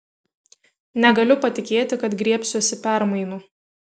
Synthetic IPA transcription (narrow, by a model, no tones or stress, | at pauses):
nʲɛɡɐlʲʊpɐt̪ʲɪkʲeːt̪ʲɪkɐt̪ɡɾʲiɛpʲsʲoːsʲɪpʲæˑɾmɐɪnʊ